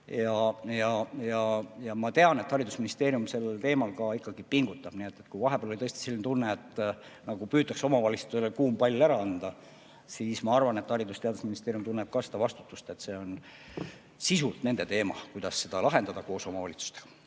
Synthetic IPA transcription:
jɑjɑjɑjɑmɑt̪e̞ɑne̞t̪hɑɾid̪̥usminist̪e̞ːɾjumse̞lːelt̪e̞ːmɑlkɑikːɑɡ̥ipiŋɡut̪ːˑɑb̥nie̞t̪ːˑet̪kujvɑɦe̞b̥eːloit̪ɤst̪i̥silːint̪unːeːt̪ː | nɑɡ̥upyːt̪ːˑɑkso̞mɑvɑlʲitst̪uelekuːmpɑlʲːæɾɑɑnd̪̥ɑ | siːsmɑɑrvɑne̞t̪ːhɑɾid̪ust̪e̞ɑd̪usminist̪eːɾjumt̪unːeb̥̚kɑsed̪̥ɑvɑst̪u̥t̪ːˑust̪e̞t̪ːse̞ːo̞n | sisult̪ne̞nd̪e̞t̪e̞ːmɑ̰kujd̪̥ɑsːe̞d̪̥ɑlɑɦe̞nd̪ɑd̪ɑko̞ːso̞mɑvɑlʲit̪su̥st̪eɡ̥ɑ̥

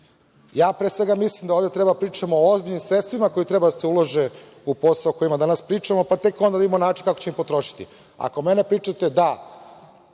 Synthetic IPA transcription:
jaːpɾeːsʋe̞ɡamislˠimd̪aoːvd̪et̪ɾe̞bad̪apɾiːt͡ʂamooozbiʎnimsɾet̪st̪ʋimako̞jit̪ɾe̞bad̪aseuloʒe | uposaoko̞jimad̪anaspɾiːt͡ʂamopat̪e̞ko̞nd̪ad̪iimonaːt͡ʃinkakot͡ɕemimpo̞t̪ɾo̞ʃi̥t̪ḭ | a̰ko̞menepɾiːt͡ʂat̪e̞d̪a

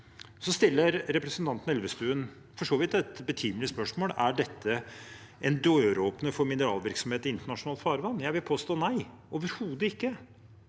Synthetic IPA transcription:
sɔst̪ɪlːəɾːɛpɾəsnt̪ʰɑnt̪n̩ɛlʋəst̪ʉːən | fɔʂoːʋɪt̪ɛt̪bət̪ʰyːmlɪəspœʂmoːlæɖɛt̪ːə | ʔɛnd̪øːøːɾoːpnəfɔɾmɪnəɾɑːlʋɪɾksɔmeːt̪ɪnt̪əɳɑʂʊnɑːlt̪fɑːɾʋɑnːjæɪʋɪlpʰoːst̪oːnæɪ | ɔʋəɾhuːd̪əɪkːə

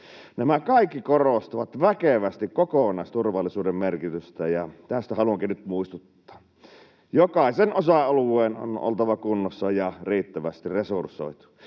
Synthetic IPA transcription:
næmækɑˑikːikorost̪uʋɑt̪ʋækeʋæst̪ikkokonɑˑist̪urʋɑlːisuːdemmerkit̪yst̪æjɑt̪æst̪æhɑluɑŋkinyt̪muist̪ut̪ːɑ̥ː | jokɑˑisenosɑɑluˑeːno̰no̰lt̪ɑʋɑkunːosːɑjɑriːt̪ːæʋæst̪iresursˑo̰it̪u̥

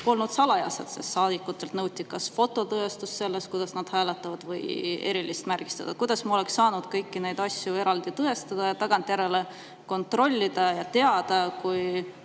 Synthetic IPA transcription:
o̞lnud̪̥sɑlɑjɑ̰sḛd̪̥sesːɑːd̪̥ikːut̪ːe̞lt̪nɤwt̪ʲːˑikɑsfo̞t̪ːˑo̞t̪ɤest̪usse̞lːeskujd̪̥ɑsnɑd̪̥hæːlet̪ːˑɑvɑd̪̥vɤje̞̰ɾilist̪mærɡ̥i̥st̪ɑd̪̥ɑkujd̪̥ɑsmɑo̞le̞ksːɑːnud̪̥kɤjkːine̞jd̪̥ɑsʲjue̞ɾɑld̪̥it̪ɤest̪ɑd̪̥ɑjɑt̪ɑɡ̥ɑnt̪ˑjæɾe̞le̞ | ko̞nt̪ro̞lʲːid̪̥ɑjɑt̪e̞ɑd̪̥ɑkuj

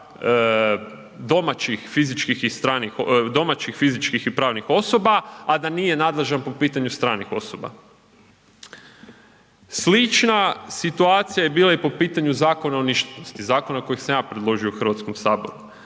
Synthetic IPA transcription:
d̪o̞mat͡ɕixfizit͡ʃkixist̪ɾaːnixd̪o̞mat͡ɕixfizit͡ʃkixipɾaːʋnixo̞so̞baad̪anije̞nad̪lˠeʒanpo̞piːt̪aɲust̪ɾaːnixo̞so̞ba̰ | slit͡ʃnasit̪uaːt̪sijajebiːlˠaipo̞piːt̪aɲuzaːko̞naoniʃt̪enost̪izaːko̞nako̞jixsamjaːpɾed̪lˠo̞ʒiouxr̩ʋat̪skomsaːbo̞̰ɾu

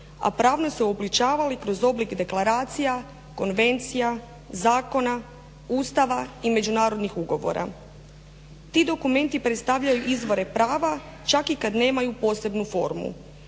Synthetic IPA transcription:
a̰pɾaːʋnoseoblit͡ʃaːʋalikɾo̞zo̞blikd̪e̞klˠaɾaːt̪sija | ko̞nʋe̞nt̪sija | zaːko̞na | uːst̪aʋaime̞d͡ʒunaːɾo̞d̪nixuɡo̞ʋo̞̰ɾʔa̰ | t̪iːd̪o̞kume̞nt̪ipɾet̪st̪aʋʎajuʔizʋo̞ɾe̞pɾaːʋa | t͡ʃakikad̪ne̞ːmajupo̞ːse̞bnufo̞̰ɾmṵ

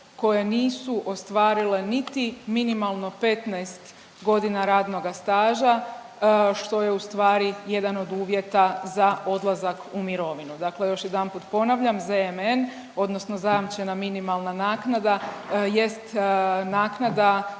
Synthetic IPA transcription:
ko̞je̞niːsuʔo̞st̪ʋaːɾile̞nit̪iminimalˠno̞pe̞t̪naest̪ | ɡo̞d̪inaɾaːd̪no̞ɡast̪aːʒa | ʃt̪o̞je̞ust̪ʋaːɾije̞d̪ano̞d̪uːʋje̞t̪azao̞d̪lˠazakumiɾo̞ʋinud̪akle̞jo̞ʃjed̪anpuːt̪po̞naʋʎamzemen | o̞d̪no̞sno̞zajamt͡ʃe̞naminimalˠnanaːknad̪aje̞st̪naːknad̪a

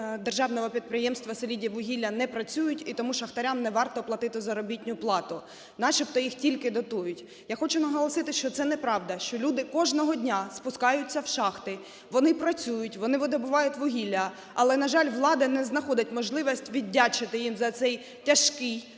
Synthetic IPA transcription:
d̪erʒɑʋnɔʋɔpʲid̪̚pɾɪjɛmst̪ʋɐsɔlʲidʲiʋʊɦʲilʲːɐnɛpɾɐt͡sʲujʊtʲit̪ɔmuʃɐxt̪ɐɾʲamnɛʋɑrt̪ɔplˠɐt̪ɪt̪ɪzɐɾɔbʲitʲnʲʊplˠɑt̪ʊ | nɑʃipt̪ɔjixtʲilʲkɪd̪ɔt̪ujʊtʲ | jaxɔt͡ʃʊnɐɦɔlˠɔsɪt̪ɪʃt͡ʃɔt̪sɛnɛpɾɑʋd̪ɐʃt͡ʃɔlʲud̪ɪkɔʒnɔɦɔdʲnʲaspʊskɑjʊtt͡sʲːɐwʃɑxt̪ɪ | ʋɔnɪpɾɐt͡sʲujʊtʲʋɔnɪʋɔd̪ɔbʊʋɑjʊtʲʋʊɦʲilʲːɐ | ɐlˠɛnɐʒɑlʲʋlˠɑd̪ɐnɛznɐxɔdʲɐtʲmɔʒlˠɪʋɐsʲtʲʋʲidʲːat͡ʃɪt̪ɪjimzɐt̪sɛj | tʲɐʃkɪj

